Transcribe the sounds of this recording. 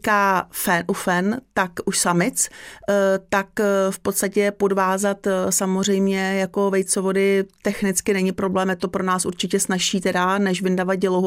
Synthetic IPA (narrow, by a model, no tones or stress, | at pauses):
kaːfɛnʔufɛnt̪akuʃsamɪt͡s | t̪akfpo̞t̪st̪acɛpo̞dvaːzat̪samor̝ɛjmɲɛjako̞vɛj̪t͡sovo̞dɪt̪ɛxnɪt͡skɪnɛɲɪpɾo̞blɛːmjɛt̪o̞pɾo̞naːsʔuɾt͡ʃɪcɛsnaʃiːt̪ɛdanɛʃvɪndavaɟɛloɦ